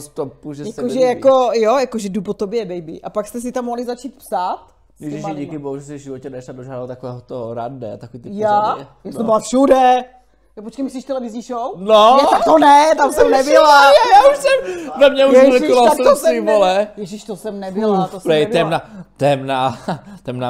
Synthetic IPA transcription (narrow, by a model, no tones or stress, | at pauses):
st̪opuʒɛjaskoʒɛjako̞jojakoʒɛdupot̪objɛbɛjbɪ̰ʔapakst̪ɛs̬ɪt̪amːoɦlizat͡ʃiːt̪psaːt̪ | jɛʒʒɪʃjiːkɪboɦuʒɛsɪvʒɪvocɛdʃladoʒaːdaat̪akovɛːɦot̪oɾa̰dnɛ̰at̪akoviːt̪ɪpjaɛjasɛmbolafʃudɛ | japot͡ʃkejmɪs̬liʃt̪ɛlɛvɪzɲiʃownonɛt̪ak̚t̪onɛt̪amsɛmnɛbɪlajajaːuʃsɛmvɛmɲɛuɛnɛikoalakɛosɛivolɛjɛʒɪʃt̪osɛmnɛbɪlt̪osnɛɛmnat̪ɛmnat̪ɛmna